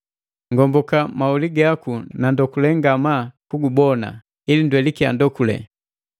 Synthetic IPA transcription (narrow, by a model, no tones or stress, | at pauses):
ŋɡɔmbɔkamauliɡakunandɔkulɛŋɡamakuɡubɔna̰ | ilindwɛlikia̰ndɔkulɛ̰